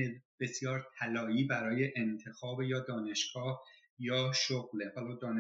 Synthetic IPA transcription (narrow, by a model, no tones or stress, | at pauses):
eb̥e̞sjɒːɾt̪ʰælɒːjiːbæɾɒːje̞ʔent̪ʰe̞xɒːbejɒːd̪ɒːne̞ʃɡ̥ɒːh | jɒːʃoɣleʔɒːlɒːd̪ɒːne